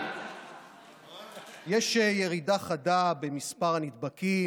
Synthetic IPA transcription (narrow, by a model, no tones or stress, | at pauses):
jeʃeje̞ʁidaχadabe̞mispaʁanid̪baki